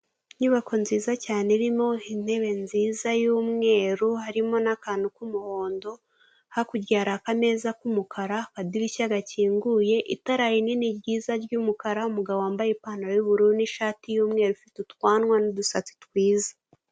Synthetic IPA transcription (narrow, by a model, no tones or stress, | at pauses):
ɲuβako̞nziːzacaːneɾimo̞in̥he̞βe̞nziːzajuːmŋe̞ːɾuhaɾimo̞nakaːndukumuho̞ːndo̞ | hakuɾjaːɾakame̞zakumukʰaɾakadiɾicaɡaciːŋɡuje̞ʔitaɾajininibɟiːzaɾɟuːmukaɾaumuɡaβoaːmbajepaːnaɾojuβuɾuɾniʃaːtijuːmŋe̞ːɾufitutwaːnwanudusat͡si̥twiːzḁ